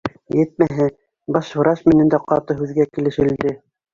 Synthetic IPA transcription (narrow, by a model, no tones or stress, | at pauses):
jɘt̪̚mæɦɘ | bɑʃhŏɾɑʃmɘ̆nɘ̆nd̪æqɑt̪ɤɦʉðɡækĭlɘ̆ʃɘ̆ld̪ɘ